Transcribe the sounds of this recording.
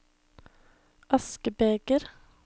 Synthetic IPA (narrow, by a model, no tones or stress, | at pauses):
ʔɑskəbeːɡ̥əɾ